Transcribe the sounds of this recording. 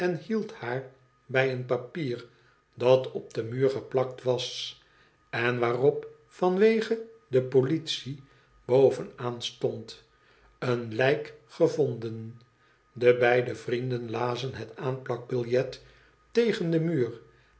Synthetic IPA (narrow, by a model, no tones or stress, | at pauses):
ɛnhilˠthaːɹ | bɛjənpapiːɹ | dɑtɔb̚d̥əmyːɹχəplɑk̚tʋɑs | ɛnʋaːrɔp | fɑnʋejχədəpolitsi | b̥owvənaːnstɔnt | ənlɛjkχəvɔndən | dəbɛjdəvrindənlaːzənɦɛtaːnpɑɡ̚bɪlˠjɛt | ejχəndəmyːr